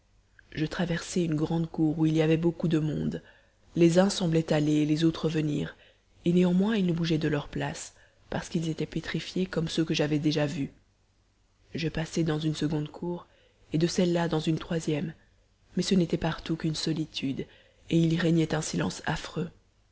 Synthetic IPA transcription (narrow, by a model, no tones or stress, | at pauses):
ʒət̪χavɛʁsɛynɡʁɑ̃d̪kuʁuiliavɛbokud̪əmɔ̰̃d̪ | lezɛ̃sɑ̃blɛt̪alelɛzot̪χəvənḭːʁ | eneɑ̃mwɛ̃ilnəbuʒɛd̪əlœʁplas | paʁsə̥kilzet̪ɛpet̪χifjekɔmsøkəʒavɛd̪eʒavy | ʒəpasɛd̪ɑ̃zynsəɡɔ̃d̪kʰuʁ | ed̪əsɛlːad̪ɑ̃zynt̪χwazjɛmː | ɛsənet̪ɛpaʁt̪ukynsɔlit̪ʰyd̪ | eilʁɛɲɛt̪ɛ̃silɑ̰̃sa̰fχø